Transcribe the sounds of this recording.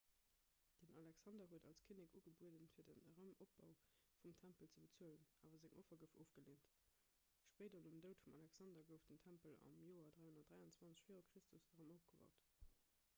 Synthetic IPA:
d̥ənʔɑlæksɑndɐɦuədɑlskʰinikuɡəbuədənfiːɐdənəʁəmop̚bɑʊ | fumtʰæmpəlt͡səbət͡suələna̰ːvɐzeŋʔofɐɡəfofɡ̥əleːnt | ʃpeːdɐnumdəʊtfumɑlæksɑndɐɡəʊfd̥əntʰæmpəlɑ̰mjoːɐdʁæɪhundɐt̚d̥ʁæɪɑnt͡swɑnt͡sə̥ɕfiːʁokʁ̥istʰusd̥əʁɑmoʊfɡ̥əvɑ̰ʊt

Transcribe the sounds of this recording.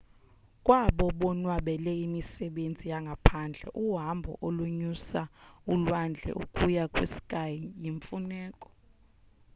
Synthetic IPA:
kʼwaɓɔɓɔnwaɓɛlɛimisɛɓend͡zʱijaŋɡʱapʰand͡ɮʱɛ̰ʔuɦambʱɔ̰ʔoluɲusaulwand͡ɮʱɛ̰ʔṵkʼujakʼwisi̥kʼajijiɱfunɛːkʼɔ̥

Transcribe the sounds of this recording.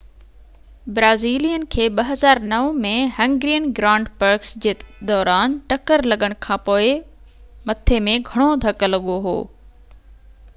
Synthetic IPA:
bɾaːziːlijənɪ̆kʰeːɓɐɦɐzaːɾnɐʋmẽɦɐ̃ŋɡɾijənɡɾãːɳɖpɐɾksd͡ʑeːd̪ɔːɾaːnʈɐkəɾlɐɠəɽ̃kʰãːpoːɪ | mɐt̪ʰemẽɡʱɐɽ̃od̪ʱɐklɐɠoɦo̰ː

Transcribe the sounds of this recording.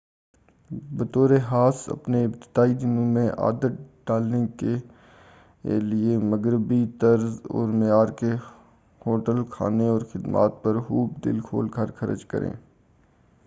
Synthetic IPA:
bət̪oːɾeɦaːsɐ̰pneɪb̚t̪ɪ̥d̪aːid̪ɪnõmẽʔa̰ːd̪ət̪̚ɖaːlneke | lɪeməɡɾɪbit̪əɾzɔ̰ːɾmejaːɾke | hoːʈəlkʰa̰ːneɔːɾxɪd̪ma̰ːt̪̚pəɾɦuːpd̪ɪ̰lkʰo̰ːlkʰəɾkʰɐɾə̰d͡ʒkə̰ɾḛ̃ː

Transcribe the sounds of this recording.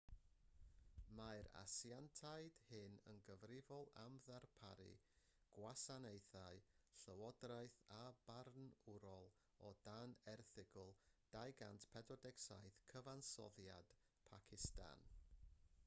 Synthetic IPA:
majɾa̰siantʰajd̥hɪnə̰nɡəvrɪvɔlˠamðarpʰaɾɨ̰ | ɡ̥wasanejθaɨɬəwɔdrajθabarnʊɾɔlˠ | ɔd̥anɛrθɪɡʊlˠd̥ajɡantʰpʰɛdɔdɛksajθkʰəvansɔ̰ðjad̥ | pʰakʰɪsta̰n

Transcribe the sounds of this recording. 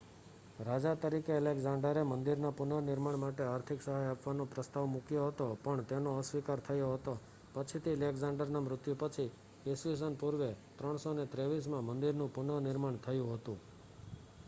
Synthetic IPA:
ɾad͡ʒat̪əɾikeːlekzãɳɖəɾemənd̪iɾnapʊnənɪɾmaɳmaʈeaɾt̪ʰiksəɦajapʋanõpɾəst̪aʋmukjoɦət̪opəɳt̪enoəsʋikaɾt̪ʰəjoɦət̪o | pət͡ʃʰit̪ʰilekzãɳɖəɾnamɾʊt̪jupət͡ʃʰi | eses̬ənpuɾʋet̪ɾəɳ̃sonet̪ɾeʋis̬mãmənd̪iɾnũpʊnənɪɾmaɳt̪ʰəjũɦət̪ũ

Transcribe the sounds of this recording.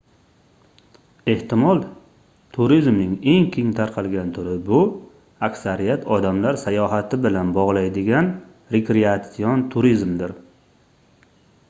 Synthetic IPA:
e̞ht̪ɪmɒlˠ | t̪ʰʊɾizmnɪŋe̞ŋkʲʰeŋt̪ʰaɾqʰɑlˠɡʲant̪ʰʊɾɪbʊ | akʲsaɾijat̪ʰɒd̪amlaɾsajɒɦat̪ʰɪbɪlanbɒʁlˠajd̪ɪɡʲan | ɾekʲɾeat̪sijɒnt̪ʰʊɾizmd̪ɪɾ

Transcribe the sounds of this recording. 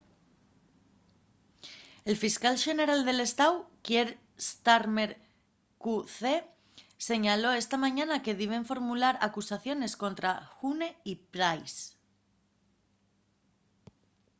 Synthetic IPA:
e̞lfiskalʃe̞ne̞ɾald̪e̞le̞st̪awkjeɾ | st̪aɾmeɾ | kuθe | se̞ɲalo̞e̞st̪amãɲanake̞ðiβe̞ɱfo̞ɾmulaɾa̰kusaθjo̞ne̞skõ̞nt̪ɾaxune̞ipɾajs

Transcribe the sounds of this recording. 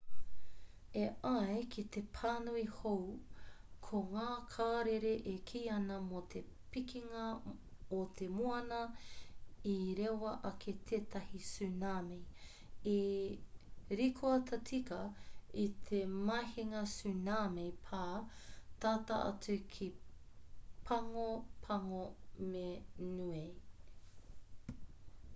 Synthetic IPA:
eʔɐekʰit̪epʰaːnuihow | kʰoŋaːkʰaːɾeɾeʔekʰijɐnɐmot̪ʰe | pikiŋɐ | ot̪ʰemuɐnɐ | iɾewɐʔɐkʰet̪ʰet̪ɐhisʉnaːmej | e | ɾikʰoɐt̪ʰɐtʰikɐit̪ʰemɐheŋɐsʉnaːmejpʰaːt̪aːt̪ɐ̰ʔɐ̰t͡sukʰi | pʰɐŋopʰɐŋomenuej

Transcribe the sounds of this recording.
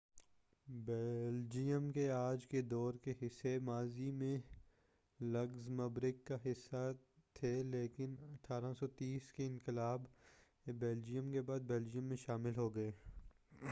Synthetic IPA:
bɛld͡ʒijəmkeaːd͡ʒked̪ɔːɾkeɦɪsːemaːzimẽ | lɐɡzmɐbɾɪkːaɦɪsːat̪ʰeːleːkɪnɐʈʰaːɾasɔt̪iːskeɪ̃nkɪlaːb | beːld͡ʒijə̃mkebaːd̪̚bɛːld͡ʒijə̃mːẽʃaːmɪlɦoːɡɐeː

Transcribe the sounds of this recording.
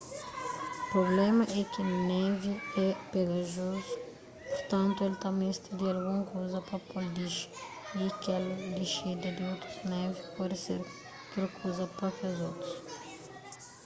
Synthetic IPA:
pɾoblɛmɐʔɛkɪnɛviɛpeɣɐʒozu | poɾt̪ɐ̃nt̪ʊelt̪amest̪ɪd̪ɪalɡũmɐkojzɐpɾɐpold̪iʃ | ikɛld̪iʃed̪ɐd̪ɪot̪ɾuznɛvipɔd̪ɪseɾ | ot̪ɾɐkʰojzɐpɐfazot̪ɾu̥s

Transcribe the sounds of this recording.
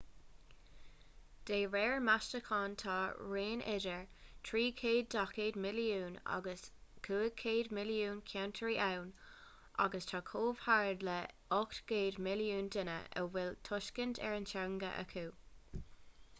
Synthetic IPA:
d̥eːɹɛːɹmaʃtəkʰɑːntʰɑːɹeːnʔɛ̰dəɹtʰɹiːkʰeːd̚dakʰeːdmɪliuːna̰ɡəskʰuːəkʰeːdmɪljuːnkʰjantʰəɹiːʔawn | ʔa̰ɡəstʰɑːkʰoːv̥haɹdlə | ɔktɡ̥eːdmɪljuːndɪnə̰ə̰wɪltʰʊʃkəntʰɛ̰ɹənt͡ʃaŋɡə̰ʔə̰kʰuː

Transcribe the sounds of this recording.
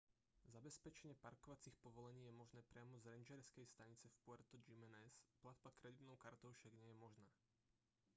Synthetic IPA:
zabɛspɛt͡ʃɛɲɪɛpaɾkɔʋat͡sixpɔʋɔlɛɲiːjɛmɔʒnɛːpɾɪamɔzɾɛnd͡ʒɛɾskɛjst̪aɲit͡sɛfpʊɛɾt̪ɔd͡ʒimɛnɛsplad̪bakɾɛd̪it̪nɔʊkaɾt̪ɔʊʃaɡɲɛjɛmɔʒnaː

